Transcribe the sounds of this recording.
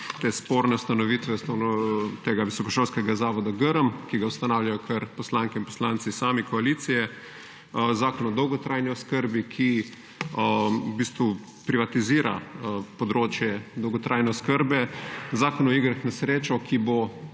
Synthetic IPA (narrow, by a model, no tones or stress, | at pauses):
t̪eːspoːɾnɛust̪anɔʋiːt̪ʋɛst̪onɔt̪eːɡaʋisɔkɔʃoːlskɛɡazaːʋɔd̪aɡəɾəmkiɡawst̪anaːwljajɔkʰɐɾpɔslaŋkɛinpo̥slaːnsisaːmikɔaliːt̪sijɛ | zaːkɔnɔd̪ɔwɡɔt̪ɾaːjniɔskəɾbikʰi | ubiːst̪ʋu | pɾiʋat̪iziːɾʔa̰pɔd̪ɾoːt͡ʃjɛd̪ɔwɡɔt̪ɾʔajnɛɔskəɾbɛzaːkɔnɔiɡɾaxnɛsɾeːt͡ʃɔkibo